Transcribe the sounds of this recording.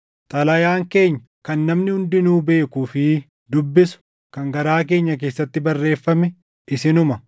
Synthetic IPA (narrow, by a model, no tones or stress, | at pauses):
t̪ʼɐlɐjaːŋke̞ːɲːɐ | kɐnːɐmnɪhʊnd̪ɪnuːbe̞ːkuːfɪ | d̪ʊbːɪsʊ̥ | kɐŋɡɐɾaːk̬e̞ːɲːɐk̬e̞ːsːɐt̪ːɪbɐrːe̞ːfːɐmɛ | ɪsɪnʊmɐ